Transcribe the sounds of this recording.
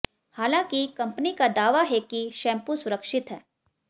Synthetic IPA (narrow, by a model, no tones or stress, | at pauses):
haːlãːkikɐ̃mpənikad̪aːʋaɦɛkiʃɛ̃ːmpusʊɾəkʃɪt̪ɦɛː